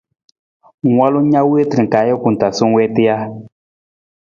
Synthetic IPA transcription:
ŋwa˦lu˦ɲa˦we˦ti˨ka˨˦jɛ˦ku˨n˨ta˨su˦ŋ˦wɛ˦ti˦ja˦

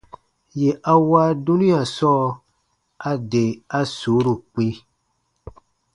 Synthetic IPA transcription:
je˨ʔa˦wa˦du˦nĩ˦a˨sɔ˦ | a˦de˨a˦su˨˦ɾu˨k͡pi˦

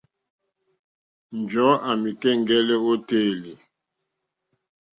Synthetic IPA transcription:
n˨d͡ʒɔ˨˦a˨mi˨kɛ˦˨ŋ˦ɡɛ˦lɛ˦o˦teː˦˨li˨

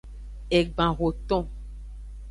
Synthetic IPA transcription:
e˨ɡ͡bã˨ɣo˨t̪ɔ̃˦

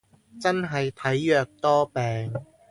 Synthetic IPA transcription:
t͡sɐ˥nɦɐ˨jt̪ʰɐ˨˥jːœː˨˧k̚t̪ɔː˥pɛː˨ŋ

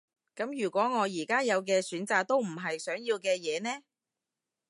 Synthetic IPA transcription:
kɐ˨˥mjyː˨˩kʷɔː˨˥ŋɔː˨˧jiː˨˩kaː˥jɐ˨˧wk̬ɛː˧syː˨˥nt͡saː˨k̚t̪o˥wm̩˨˩ɦɐ˨jsœː˨˥ŋjiː˧wkɛː˧jɛː˨˧nɛː˥

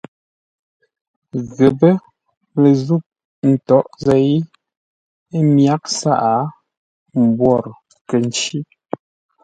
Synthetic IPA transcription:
ɣə˨bə˦ | le˨zu˦˨p̚ | n̩˨tɔ˨˦ʔzɛ˦˨i˦ | e˦mja˦k̚sa̰˦˨ʔa˨˦ | m̩˨bwɔ˦˨ɾ | kə˨n˨t͡ʃi˦

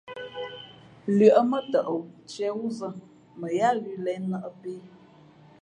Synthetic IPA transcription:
lɥə˨ʔə˦mə˦tə˨ʔə˨wt͡ʃɛ˦wu˦zə˦ | mə˨ja˦ɣi˦lɛ˨˦nə˦˨ʔə˦pe˦

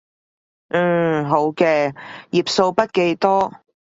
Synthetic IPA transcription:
ɦo˨˥wkɛː˧jiː˨p̚so˧wpɐ˥t̚ke˨˧jt̪ɔː˥

